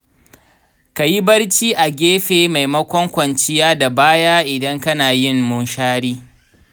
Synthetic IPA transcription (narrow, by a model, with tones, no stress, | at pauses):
ka˨ji˦bɐ˦rt͡ʃiː˦ʔa˨ɡʲeː˦ɸeː˨ma˨jmɐ˦kʷɔ˦ŋkʷɐ˨nt͡ʃɪ˦jaː˦da˨baː˦jaː˦ʔɪ˨dɐ˦ŋkɐ˦naː˨jɪ˦ŋmʊ˦nʃaː˦ɽiː˦